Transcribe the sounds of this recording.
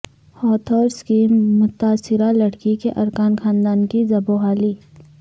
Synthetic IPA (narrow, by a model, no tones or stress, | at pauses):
hɔːt̪ʰɔːɾskimʊt̪aːsɪɾalɐɽkikeʔɐɾkaːnxaːnd̪aːnkizɐboɦaːliː